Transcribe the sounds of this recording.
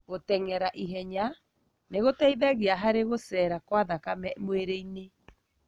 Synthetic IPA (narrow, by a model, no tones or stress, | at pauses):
ɣotɛŋɛɾaʔiɦɛɲa | neɣotɛiðɛɣiaɦaɾeɣosɛːɾakwaðakamɛmoeɾeine